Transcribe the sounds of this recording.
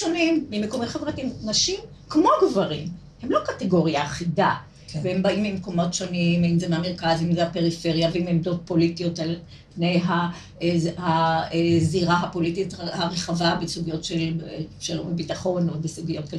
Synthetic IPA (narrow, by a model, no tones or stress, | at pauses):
ʃonimːimekomitχevʁatimnaʃim | kmo̞ɡvaʁim | hemlo̞kateɡo̞ʁijaːχida | vehembaimbimko̞mo̞tʃo̞nimimzemeameʁkazimzeapeʁife̞ʁjaveimemdo̞t̚po̞litijo̞tal | pnejɦa | haeziʁaɦapo̞lititahaʁeχavabesuɡijo̞tʃelʃelombebitaχo̞nobesuɡijo̞t̚k